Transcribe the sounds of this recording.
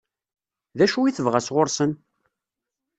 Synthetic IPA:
ðæʃuiθəvʁæsʁoɾsən

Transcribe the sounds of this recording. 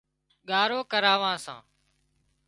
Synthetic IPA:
ɠaːɾoːkəɾaːʋãːsã̰ː

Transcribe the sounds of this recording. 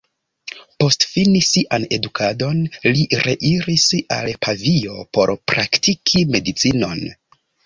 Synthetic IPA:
po̞stfinisiʔane̞dukʰado̞nliɾʔe̞̰ʔiɾisa̰lpʰavio̞po̞̰ɾpɾaktikʰime̞dit͡sino̞n

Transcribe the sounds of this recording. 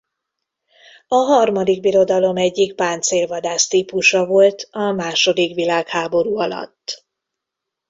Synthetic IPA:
ɒɦɒrmɒd̪iɡ̚biɾo̞d̪ɒlo̞mɛɟːik̚paːnt̪seːlvɒd̪aːst̪iːpuʃɒvo̞lt̪ɒmaːʃo̞d̪ikʋilaːkhaːbo̞ɾuːɒlɒ̰t̪ː

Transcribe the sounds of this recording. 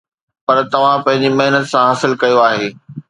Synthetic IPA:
pɐɾt̪ɐʋ̤ãpɐ̃ɦɪ̃ɲd͡ʑimɐɦɪnət̪sãɦɐsɪlkɐjoaːɦeː

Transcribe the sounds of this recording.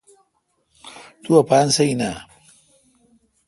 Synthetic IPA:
t̪uɐpaːnsɐina

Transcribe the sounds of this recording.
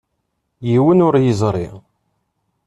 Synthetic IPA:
jiwənʊɾjizˤɾˤi

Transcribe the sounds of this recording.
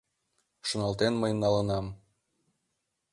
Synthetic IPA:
ʃŏnɑlˠt̪enməjnɑlə̆nɑm

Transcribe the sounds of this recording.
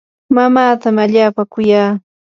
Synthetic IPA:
mamaːt̪amaʎaːpakʊjaː

